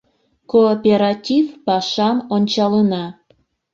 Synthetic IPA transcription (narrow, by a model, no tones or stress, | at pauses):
koːpʲeɾɑtʲifpɑʃɑmonʲt͡ɕɑlənɑ